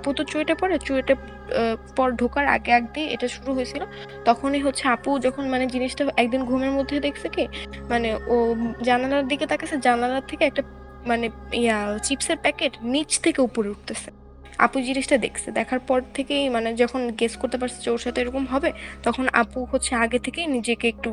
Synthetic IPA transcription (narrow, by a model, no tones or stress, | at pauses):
aput̪ot͡ɕoeʈapɔɾet͡ɕueʈa | pɔɾɖʱokaɾa̰ɡea̰ɡ̚d̪iʔḛʈaʃuɾuɦoet͡ɕʰilo | t̪ɔkʰoniɦotːɕʰeapud͡ʑɔkʰonmaned͡ʑiniʃʈaɛk̚d̪inɡʱumeɾmod̪ʱːed̪ekʰsʰekemaneod͡ʑananaɾd̪iket̪akesʰed͡ʑananaɾt̪ʰekeɛk̚ʈa | maneijat͡ɕipseɾpɛkeʈnit͡ɕt̪ʰekeupoɾeuʈ̚t̪esʰe | a̰pud͡ʑiniʃʈad̪ḛkʰsʰed̪ɛkʰaɾpɔɾt̪ʰekejmaned͡ʑɔkʰonɡeskoɾt̪epaɾt͡ɕʰe̥t͡ɕowɾʃat̪eɾɔkomɦɔbet̪ɔkʰona̰puɦotːɕʰeaɡet̪ʰekejnid͡ʑekeek̚ʈu